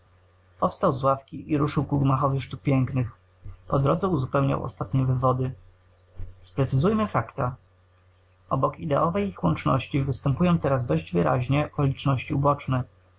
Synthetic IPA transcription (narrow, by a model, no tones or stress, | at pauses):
pɔfst̪awzwafkʲiʔiɾuʂɘwkuɡmaxɔvɘʂt̪uk̚pʲjɛŋknɘx | pɔd̪ɾɔd̪zɛuzupɛwɲa̰wɔ̰st̪at̪ɲɛvɘvɔd̪ɘ | spɾɛt̪sɘzujmɘfakt̪a | ʔɔbɔkid̪ɛɔvɛjixwɔnt͡ʂnɔɕt͡ɕivɘst̪ɛmpujɔ̃w̃t̪ɛɾazd̪ɔʑd͡ʑvɘɾa̰ʑɲɛɔkɔlʲit͡ʂnɔɕt͡ɕiubɔt͡ʂnɛ